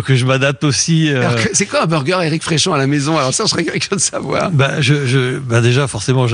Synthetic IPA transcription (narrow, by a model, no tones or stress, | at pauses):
kəʒəmad̪ap̚t̪osiøalɔʁkəsɛkwaɛ̃bœʁɡʲœʁeʁikfχeʃɔ̃alamezɔ̃alɔʁsaʒəsəʁɛkɛlkʲɔ̃d̪əsavwa̰ːʁbaʒəʒəbad̪eʒafɔʁsemɑ̃ʒə